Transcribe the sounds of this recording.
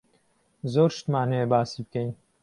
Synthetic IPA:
zoːɾʃt̪maːnejebaːsibɨkʰɛjn

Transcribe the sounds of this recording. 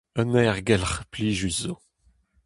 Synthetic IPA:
ənɛːʁɡɛlχpliːʒyzo

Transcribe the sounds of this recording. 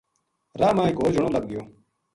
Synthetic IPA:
ɾaːmãːɪkɦoːd͡ʒʱəɳoːləɡ̚ɡɪjoː

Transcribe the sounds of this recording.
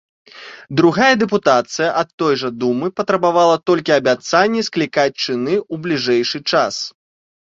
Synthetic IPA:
d̪ɾuɣajɐd̪ɛp̬ut̪at̪sɨjɐʔɐt̪ːɔjʐɐd̪umɨpɐt̪ɾɐbavalˠɐt̪ɔlʲkʲiɐbʲat̪sanʲːisklʲikat͡sʲt͡ʂɨnɨublʲiʐɛjʂɨt͡ʂas

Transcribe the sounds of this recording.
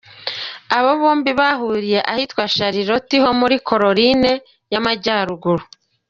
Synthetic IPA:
aβoβoːmbiβaɦuːɾije̞ʔahitwaʃaɾiɾo̞tiho̞muɾikʰo̞ɾo̞ɾine | jamaɟaːɾuɡuɾu

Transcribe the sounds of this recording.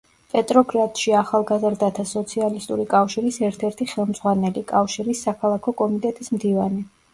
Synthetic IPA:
pʼɛt̪ʼɾɔɡʼɾat̪ʼʃiaχalˠɡazɾd̪at̪ʰasɔt̪sʰialist̪ʼuɾikʼafʃiɾisɛɾt̪ʰɛɾt̪ʰiχɛlˠmd̪z̥ʁwanɛlikʼafʃiɾisːakʰalˠakʰɔkʼɔmit̪ʼɛt̪ʼismd̪ivani

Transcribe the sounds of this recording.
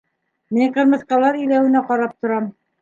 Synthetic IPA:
miɴqɤ̆ɾmɤ̆θqɑlˠɑɾĭjlæwɘ̆næqɑɾɑp̚t̪ŏɾɑm

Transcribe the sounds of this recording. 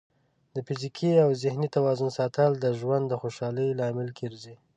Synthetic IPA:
d̪əfɪzikʰiawzɪhnit̪awɑzʊnsɑt̪ald̪əʒwand̪ːəxoʃɑləjlɑmɪlkʰeɾzi

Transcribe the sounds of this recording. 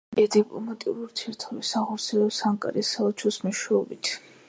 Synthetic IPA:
ɛd̪ipʼlɔmat̪ʼiṵɾuɾt̪ʰiɛɾt̪ʰɔbisaχɔɾt̪sʰiɛlɛpsaŋkʼa̰ɾisaɔt͡ʃʰɔsmɔʃɛɔbit̪ʰ

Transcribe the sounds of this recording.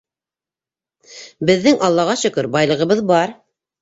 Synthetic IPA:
bɘ̆ðːɘŋʔɑlˠːɑʁɑʃɵ̆kɵɾbɑjlˠɤ̆ʁɤ̆βɤðbɑɾ

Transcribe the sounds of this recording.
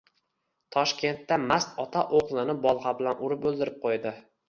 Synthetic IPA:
t̪ʰɒʃkʲe̞nt̪ːamast̪ɒt̪ʰaʔoʁlˠɪnɪbɒlˠʁɑbɪlanʔʊɾɪpɵlˠd̪ɪɾɪp̚qʰojd̪ɪ

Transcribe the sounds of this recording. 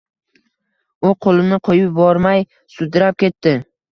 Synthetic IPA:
ʊqʰolˠɪnɪqʰojɪp̚bɒɾmaj | sʊd̪ɪɾap̚kʲe̞t̪ːɪ

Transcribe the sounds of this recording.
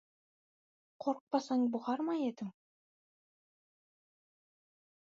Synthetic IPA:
qʰoɾq̚pɑsɑŋbuʁɑɾmɑjed̪ɪŋ

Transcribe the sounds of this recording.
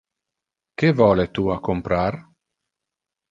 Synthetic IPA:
kevɔːlet̪uakompɾar

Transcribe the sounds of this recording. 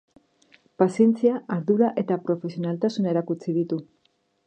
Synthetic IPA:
pasjent͡sjaaɾðuɾaʔet̪apɾo̞fe̞sionalt̪asuneɾakut͡siðit̪u

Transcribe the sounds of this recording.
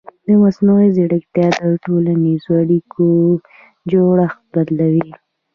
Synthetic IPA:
d̪əmasnoweziɽəkt̪jɑd̪əʈolanizoaɽikʰo | d͡ʒoɽax̚bad̪lawi

